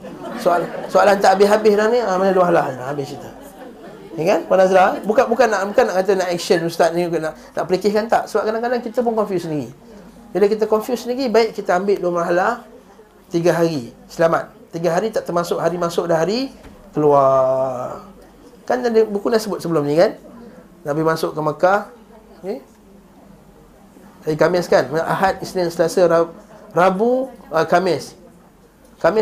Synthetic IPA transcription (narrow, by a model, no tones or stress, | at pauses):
soalasoalant̪aʔabɪhabɪhlahniamanəduaɦalaɦnlahabɪht͡ʃit̪ə | eŋkanpanazɾabukabukanːaʔbukanːaʔkat̪ənaʔɛk̚sənust̪at̪̚nĩknaʔ | nʔa̰ʔpəlikɪhkant̪aʔsəbap̚kadaŋkadaŋkit̪əp̬ʊnkɔnfjusəniɡḭ | bilakit̪̬əkɔnfjusəniɡibaɪʔkit̪əambɪʔduwamaɦalah | t̪iɡaɦaɾisəlamat̪̚ːiɡaɦaɾit̪aʔt̪ərmasʊʔɦaɾimasʊʔ̚daɦaɾi | kəlua | kanadibukunaʔsəbʊt̪̚səbəlʊmnĩkan | naʔbihmasʊʔkəmaka | ke | aikamɪskanməʔa̰ɦat̪̚isnɪnsəlasaarabuəkamɪs | kamɪ